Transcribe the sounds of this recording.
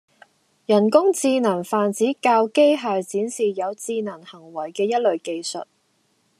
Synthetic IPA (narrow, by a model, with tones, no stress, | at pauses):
jɐ˨˩nkʊ˥ŋt͡siː˧nɐ˨˩ŋfaː˨˩nt͡siː˨˥kaː˧wke˥jɦaː˨jt͡siː˨˥nsiː˨jɐ˨˧wt͡siː˧nɐ˨˩ŋhɐ˨˩ŋwɐ˨˩jkɛː˧jɐ˥t̚lɵ˨˧ɥke˧jsɵ̰˨t̚